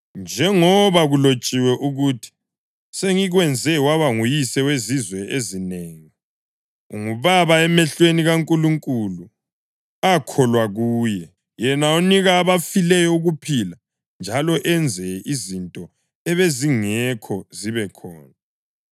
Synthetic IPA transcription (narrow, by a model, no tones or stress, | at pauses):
nd͡ʒʱɛŋɔβaɣulot͡ʃʼiwɛʔuɣutʰi̥ | seŋiɣwɛnd͡zʱɛwaβaŋujisɛwezizwɛezineŋi | ŋuβaβaɛmɛɬweniɣaŋkʼuluŋkʼulu | akʰɔlwaɣuːjɛ | jɛnauniɣaːβafilɛjɔuɣupʰila | nd͡ʒʱalɔʔɛnd͡zʱɛizintʼɔ | ɛβeziŋɛkʰɔziβɛkʰɔ̰ːna